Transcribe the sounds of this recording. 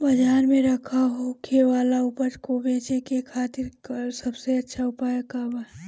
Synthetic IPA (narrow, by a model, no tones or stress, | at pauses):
bɐd͡ʒaːɾmẽɾɐkʰaɦokʰeʋaːlaʊpəɾkobeːt͡ʃekekʰaːt̪ɪɾkəɾsɐbseɐtːʃʰaʊpaːjəkaba